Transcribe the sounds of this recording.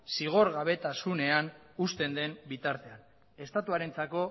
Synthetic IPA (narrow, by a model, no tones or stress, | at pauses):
siɣ̞o̞ɾɣaβ̞e̞t̪asune̞an | ust̪e̞nd̪e̞mbit̪aɾt̪e̞an | e̞st̪at̪uaɾe̞nt͡sako̞